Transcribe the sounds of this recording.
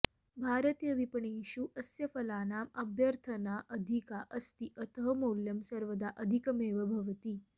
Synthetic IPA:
bʱaːɾət̪jəʋipəɳeɕuʔɐsjəfɐlaːnaːmɐbjəɾt̪ʰənaʔəd̪ʱikaʔəst̪iʔət̪əɦəmoljəmsɐɾʋəd̪aʔəd̪ʱikɐmeːʋəbʱɐʋt̪iː

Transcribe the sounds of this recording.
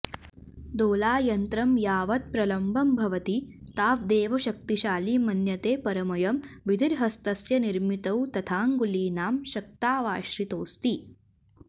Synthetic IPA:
d̪oːlaːjɐnt̪ɾɐmjaːʋɐt̪̚pɾɐlɐmbʱɐmbʱɐʋɐt̪i | t̪aːʋd̪eːʋɐʃɐk̚t̪iʃaːliːmɐnjɐt̪eːpɐɾɐmɐjɐmʋid̪ʱiɾɦɐst̪ɐsjɐniɾmit̪ɐwt̪ɐt̪ʰaːŋɡuliːnaːmʃɐk̚t̪aːʋaːʃɾit̪oːst̪i

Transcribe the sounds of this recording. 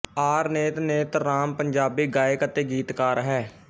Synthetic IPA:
aːɾneːt̪neːt̪ɾaːmpəɲd͡ʒaːbiːɡaːekət̪eːɡiːt̪kaːɾɦɛː

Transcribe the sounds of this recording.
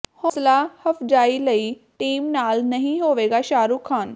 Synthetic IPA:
hoːslaːhəpʰd͡ʒaːiləiː | ʈiːmnaːlnəɦĩɦoːʋeːɡaːʃaːɾuːkʰaːn

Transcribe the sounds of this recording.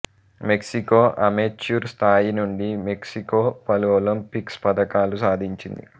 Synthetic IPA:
me̞ksikoːʔɐmet͡ʃːuːɾst̪ʰaːjinuɳɖime̞ksikoːpɐluʋɐlɐmpikspɐd̪ɐkaːlusaːd̪ʱiɲt͡ʃind̪ḭ

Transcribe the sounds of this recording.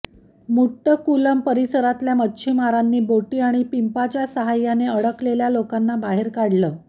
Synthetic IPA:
muʈːəkuləmpəɾisəɾat̪ljamətːɕʰimaɾanːiːboʈiːaɽ̃ipimpat͡ɕjasəɦajːaneəɽəkleljalokanːabaɦeɾkaɽləː

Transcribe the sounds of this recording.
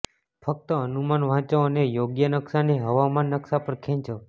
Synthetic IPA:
fʰək̚t̪əənumanʋ̤ãt͡ʃoənejoɡjənəksaneɦəʋamanːəksapəɾkʰɛ̃t͡ʃo

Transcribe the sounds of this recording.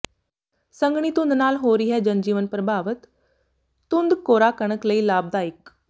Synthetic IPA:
sə̃ŋɡɽ̃it̪ʊ̃nd̪naːlɦoːɾiɦɛd͡ʒənd͡ʒiːʋənpɾəbʱaːʋət̪ː | ʊnd̪koːɾaːkəɽ̃əkləiːlaːb̚d̪aːɪk

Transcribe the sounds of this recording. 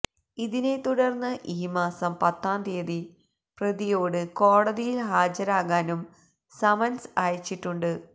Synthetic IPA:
iðine̞t̪uɽɐrnːɨʔiːmaːsɐmpɐt̪ːaːnd̪ijɐði | prɐðijo̞ːɽɨko̞ːɽɐðijilɦaːd͡ʑɐɾaːɣaːnum | sɐmɐnsaːjɐt͡ɕːiʈːuɳɖɨ

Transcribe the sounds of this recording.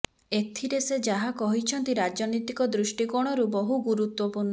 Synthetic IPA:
et̪ʰiɾesed͡ʒaɦakɔɦit͡ʃʰɔnt̪iɾad͡ʒɔnɔjt̪ikɔd̪ɾusʈikɔɽ̃ɔɾubɔɦuɡuɾut̪wɔpuɾn

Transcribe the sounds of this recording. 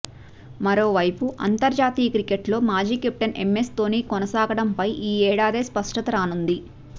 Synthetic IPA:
mɐɾo̞ːʋɐjpuʔɐ̰nt̪ɐɾd͡ʒaːt̪iːjɐkɾikeʈlo̞ːmaːd͡ʒiːkep̚ʈɐnʔḛme̞st̪o̞ːniːkɔnɐsaːɡɐɽɐmpɐjʔiːɛːɽaːd̪eːspɐʂʈɐt̪ɐɾaːnund̪i

